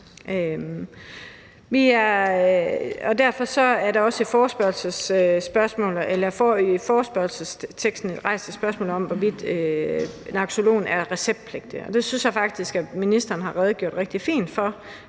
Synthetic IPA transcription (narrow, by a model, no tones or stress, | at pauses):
ʔø | ʋiæɐ | ɒ̽d̥æɐ̰fɒ̽sɒ̽æɐɾɑ̈ɒ̽səfɒːsb̥ɶɐlsəsːb̥ɶɐsmɔ̰̽ːlelɐfɒfɒːsb̥ɶɐlsəst͡sʰeɡ̥sd̥n̩ed̥ʁɑ̈ɪ̰st͡sʰe̥sb̥ɶɐsmɔ̰ːl̩ˠɒ̽m̰ʋɒʋid̥ˠø | nɑ̈ɡ̥so̝lo̝̰ːnæɐʁɛseb̥̚d̥̚pʰleɡ̥̚d̥iɒ̽d̥e̝synsjɑ̈fɑ̈ɡ̥̚d̥isɡ̥æminisd̥ɐːnɦɑ̈ʁɛːð̞ˠɡ̥o̝ɐ̰d̥ʁeɡ̥̚d̥ifḭːnd̥fɒ̽